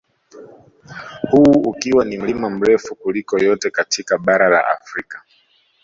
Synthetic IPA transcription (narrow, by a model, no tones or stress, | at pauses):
huːkiwanim̩limam̩ɾɛfukulikɔjɔtɛkatʰikaɓaɾala̰ʔa̰fɾikḁ